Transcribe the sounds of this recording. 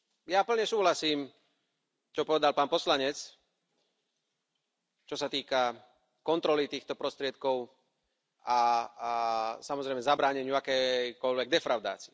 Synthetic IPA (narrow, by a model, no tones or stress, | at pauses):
japl̩ɲɛsuːɦlasiːm | t͡ʃɔpɔʋɛd̪alpaːnpɔslaɲɛt͡s | t͡ʃɔsat̪iːka | kɔnt̪ɾɔlit̪iːxt̪ɔpɾɔst̪ɾɪɛt̪kɔʊ | a | samɔzɾɛɪmɛzabɾaːɲɛɲɪuakɛjkɔʎʋɛɡ̚d̪ɛfɾaʊd̪a̰ːt͡siɛ